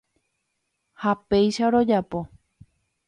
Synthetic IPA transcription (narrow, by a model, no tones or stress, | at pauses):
hapejʃaɾo̞d͡ʒapo̞